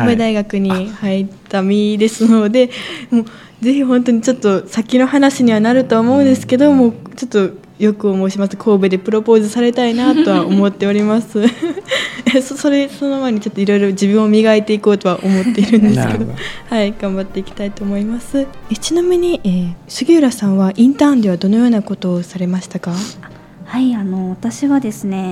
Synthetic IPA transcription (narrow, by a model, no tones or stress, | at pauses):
bed̪aiɡakɯ̟ɲ̟ihait̪amʲid̪e̞sɨno̞d̪e̞mo̞ː | ze̞çiɦõ̞nt̪oɲ̟it͡ɕo̞t̪ːo̞sakʲino̞hanaɕiɲ̟iβanaɾɯ̟t̪o̞ːmo̞ɯ̃nd̪e̞sɨ̥ked̪o̞mo̞ːt͡ɕo̞t̪ːo̞ | jo̞kɯ̟omo̞ɕimasɨ̥kʰo̞ːbe̞d̪e̞pɯ̟ɾo̞po̞ːzɨsaɾe̞t̪ainat̪o̞βao̞mo̞t̪ːe̞oɾʲimasɨ | soso̞ɾe̞so̞no̞maeɲ̟it͡ɕo̞t̪ːo̞iɾo̞iɾo̞d͡ʑibɯ̃ɰ̃o̞mʲiɡait̪e̞iko̞ːt̪o̞βaʔo̞mo̞t̪ːe̞iɾɯ̟̃nd̪e̞sɨ̥ke̞d̪ohaiɡ̥ãmbat̪ːe̞ikʲi̥t̪ait̪o̞ːmo̞imasɨet͡ɕinomeɲ̟iʔeːsɨɡʲiɯɾasãɰ̃βaʔĩnt̪ãːnd̪e̞βad̪o̞no̞jo̞ːnako̞t̪o̞ːsaɾe̞maɕi̥t̪akaḁ | haiano̞βat̪aɕiɡad̪e̞sɨne̞